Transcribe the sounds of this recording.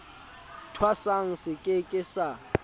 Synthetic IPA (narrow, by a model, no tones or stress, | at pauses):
tʰwasaŋ̩sɪkʼɪkʼɪsa